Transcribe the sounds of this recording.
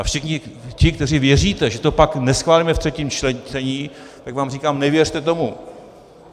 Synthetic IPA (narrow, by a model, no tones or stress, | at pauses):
ʔafʃɪxɲɪcɪk̚t̪ɛriːvjɛriːt̪ɛʒɛt̪opaknɛsxvaːliːmɛft̪r̥ɛciːmt͡ʃlɛt͡sɛɲiː | t̪aɡvaːmriːkaːmnɛvjɛrt̪ɛt̪o̞mu